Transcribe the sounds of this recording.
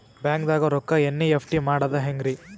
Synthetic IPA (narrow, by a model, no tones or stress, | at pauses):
bjaːŋkd̪aːɡɐɾɔkːɐenːiepʰʈimaːɽɐd̪ɐɦeŋɡɾi